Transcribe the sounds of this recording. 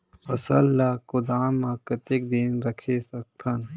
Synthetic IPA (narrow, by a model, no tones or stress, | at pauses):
ɐsɐlːakʊd̪aːmːaːkət̪ek̚d̪eːnɾɐkʰesɐk̚t̪ʰɐn